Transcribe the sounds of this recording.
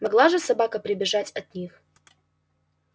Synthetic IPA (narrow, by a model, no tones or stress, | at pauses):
mɐɡlˠaʐɨsɐbakəpɾʲɪbʲɪʐatʲɐt̪nʲix